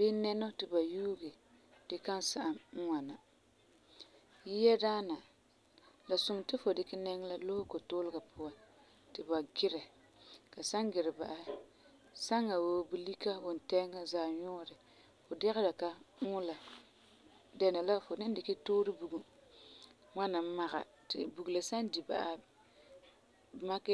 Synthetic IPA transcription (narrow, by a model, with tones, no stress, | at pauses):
bɪ˦nɛ˦nɔ˦tɪ˨ba˨juː˦ɡe˨ | d̥ɪ˦ka˦nsa˨ʔa˨˦ŋa˨na˨ | ji˦jɛ˦daː˦na˨ | la˨sʊ˨ŋtɪ˦fo˨dɪ˨kɪ˦nɛ˦ŋ˦la˦lo˦hʊ˦ko˨toː˦lɪ˦ɡa˨pʰʊ˦a˦n | tɪ˨ba˨ɡɪ˦ɾɛ˨ | ka˨sa˦ŋɡɪ˨ɾɪ˨ba̰˨ʔa˨˦hɪ˦ | sa˦ŋːa˨woː˦bu˦li˦ka˦bʊ˨n˨tɛ˦ŋa˦zaː˨ɲɔː˦ɾɪ˨ | fo˨dɪ˦ɣɪ˦la˨ka˨ŋʊː˦la˨ | dɛ˨na˨la˦fo˨nɪ˦n˦dɪ˨kɪ˦toː˦ɾɪ˦bu˨ɡu˨ | ŋa˦na˨˦ma˨ɣa̰˨ | tɪ̰˨bu˨ɡu˨la˨sa˦ndi˨ba̰˨ʔa˨ | ma˦kɛ˦